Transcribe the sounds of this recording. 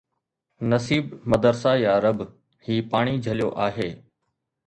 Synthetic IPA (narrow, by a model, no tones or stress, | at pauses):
nɐsiːbmɐd̪əɾsaːjaːɾəb | hiːpaːɽ̃id͡ʑʱɐlijoʔaːɦeː